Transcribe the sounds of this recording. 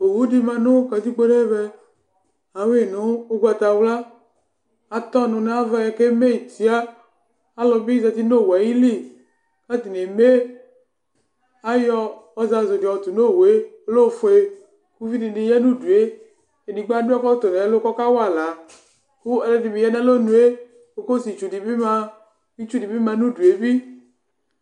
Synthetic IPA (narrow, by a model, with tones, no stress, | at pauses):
o˨wu˦di˨mã˨nõ˦ka˨t̪i˦ɡ͡bo˦ne˦be˦ | a˨we˦˨nõ˦o˦ɡʷa˨t̪a˨wla˦ | a˨t̪ɔ˦nʊ̃˨ne˦a˦va˦jke˦me˦˨t̪i˨a˦ | a˦lɔ˨mi˦za˨t̪i˦no˦˨wa˨ji˦li˦ | ka˦t̪i˨ne˨me˦ | a˦jɔː˦˧za˧zo˨di˨ɔ˨t̪u˨no˦˨we˨˦o˦lo˦˨fo˧˦e˨˧ | ku˦vi˦ni˧ni˧jɛ˦nu˦du˨e˦ | e˨ni˨ɡ͡ba˦du˦ɔ˦kɔ˦t̪o˨nɛ˨a˦lo˦kɔ˦ka˦wa˦˨la˨˦ | ku˦ɛ˨lɛ˨˦di˨mi˨jɛ˦nɛ˦lo˦nũ˨˦e˦ | o˨ko˦si˨t͡ʃu˨di˨bi˦ma˧ | i˦t͡ʃu˦di˨bi˦ma˧˦nu˦du˨e˨˦bi˦